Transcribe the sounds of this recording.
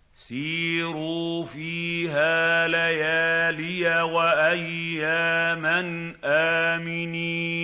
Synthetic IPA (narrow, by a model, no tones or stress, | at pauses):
siːɾuːfiːɦaːlajaːlɪjawaʔajːaːman | ʔaːmɪniː